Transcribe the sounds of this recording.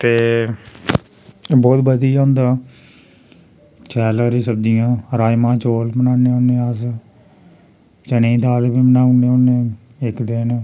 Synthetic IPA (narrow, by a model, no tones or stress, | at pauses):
t̪eː | bɔːt̪bəd̪iːãːnd̪aː | t͡ʃɛːlaːɾiːsəb̚d̪ɪjãːɾaːjmãːt͡ʃoːlmənaːneːõːneːəs | t͡ʃənẽːd̪aːlbiːmənaːuneːõːnẽː | ɪkd̪eːnː